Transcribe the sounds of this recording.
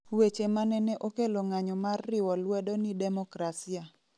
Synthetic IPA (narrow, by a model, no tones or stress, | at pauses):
wet͡ʃemanɛnɛʔokeloŋaɲɔmarːɪwɔlwɛdonidɛmɔkɾasia